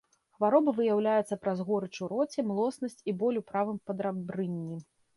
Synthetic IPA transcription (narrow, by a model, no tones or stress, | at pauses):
xvaɾɔbɨvɨjawlʲajɛt̪sːɐpɾazɣɔɾɨt͡ʂuɾɔt͡sʲɛmlˠɔsnɐsʲt͡sʲibɔlʲupɾavɨmpɐd̪ɾabɾɨnʲːi